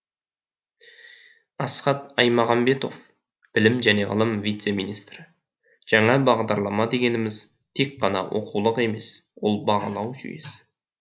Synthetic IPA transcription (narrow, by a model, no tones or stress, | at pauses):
ɑsχɑt̪ɑjmɑʁɑmbe̞t̪o̞v | b̥ɪlɪmʒæne̞ʁə̰lˠəmvijt̪se̞mijnijst̪rɪ | ʒ̥ɑɴɑbɑʁd̪ɑɾlˠɑmɑd̪e̞ɡʲe̞nɪmɪz | t̪ʰe̞k̚qɑnɑ̰wʔo̞̰qulˠəqe̞me̞swo̞lˠbɑʁɑlˠɑwʒy̰je̞̰sɪ